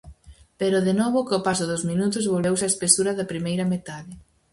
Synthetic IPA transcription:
peɾʊðenɔβʊkopasʊðʊzminut̪ʊzβolβewsaespesuɾɐðɐpɾimejɾɐmet̪aðɪ

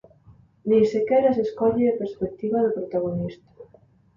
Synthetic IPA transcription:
d̪isekɛɾaseskɔʎɪɐpeɾspek̚t̪iβaðʊpɾot̪aɣ̞onist̪ḁ

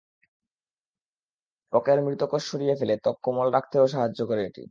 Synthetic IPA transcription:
pɔkeɾmɾit̪okoʃʃoɾijefelet̪ɔkːomɔlɾak̚ʰt̪eoʃaɦad͡ʑːokoɾeeʈḭ

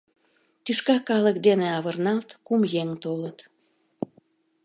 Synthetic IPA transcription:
t̪yʃkɑkɑlək̚d̪eneɑβərnɑlt̪kumjeŋt̪olət̪

